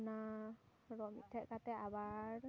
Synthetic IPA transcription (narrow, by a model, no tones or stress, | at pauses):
na | ɹɔmḭt̪ʰːɛʔkat̪ɛabaɹ